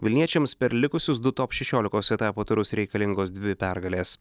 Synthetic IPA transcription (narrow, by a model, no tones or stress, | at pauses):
ʋʲɪlʲnʲiɛt͡ʃʲɛmspʲɛɾlʲɪkʊsʲʊsd̪ʊt̪oːpʃʲɛʃʲoːlʲɪkoːsɛt̪ɑːpoːt̪ʊɾʊsɾʲɛɪkɐlʲɪŋɡoːsd̪ʲʋʲɪpʲæɾɡɐlʲeːs